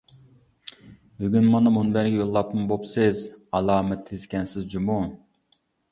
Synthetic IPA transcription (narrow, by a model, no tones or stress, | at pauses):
byɡʲynmɑnɑmunbɛɾɡʲɛjolˠːɑp̚mbopsɪzɑlˠɑːmɛt̪ʰːezkʲʰɛnsɪzd͡ʒumu